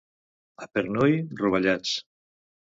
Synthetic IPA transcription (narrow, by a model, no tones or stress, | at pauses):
apeɾnojruβ̞aʎat͡s